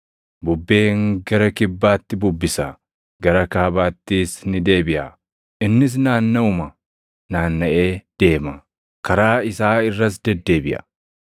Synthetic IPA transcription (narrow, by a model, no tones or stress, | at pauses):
bʊbːe̞ːŋɡɐɾɐkɪbːaːt̪ːɪbʊbːɪsɐ | ɡɐɾɐkaːbaːt̪ːiːsnɪd̪e̞ːbɪʔa̰ː | ʔɪnːɪs̬naːnːɐʊmɐ | naːnːɐʔe̞ːd̪̥e̞ːmɐ | kɐɾaːɪsaːɪrːɐs̬d̪ɛd̪ːe̞ːbɪʔɐ̰